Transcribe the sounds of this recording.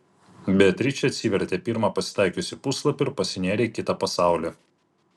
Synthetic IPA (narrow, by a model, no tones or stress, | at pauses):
bʲɛt̪ʲɾʲit͡ʃʲɛɐt̪ʲsʲiːʋʲɛɾʲt̪ʲeːpʲɪɾmɑːˑpɐsʲɪ̥t̪ɑˑɪkʲʊsʲɪpʊslˠɐpʲɪɪɾpɐsʲɪnʲæːɾʲekʲɪt̪ɑpɐsɑˑʊlʲɛ